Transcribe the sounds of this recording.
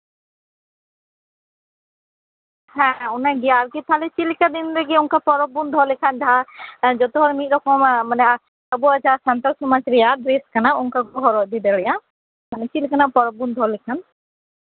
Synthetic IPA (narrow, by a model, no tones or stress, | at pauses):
hɛ̃ɔnaɡiaːɾkit̪ʰalɛt͡ʃilikad̪inɾɛɡiuŋkapɔɾɔbund̪ʱɔlɛkʰand͡ʒaɦad͡ʒɔt̪ɔɦɔɾmit̪̚ɾɔkɔmmanɛ | əbuad͡ʒaasant̪aɾsɔmat͡ʃɾɛjad̪ɾeskanauŋkaɡɔɦɔɾɔd̪id̪ɛɽɛja | manɛt͡ʃilikanapɔɾɔbund̪ʱɔlɛkʰan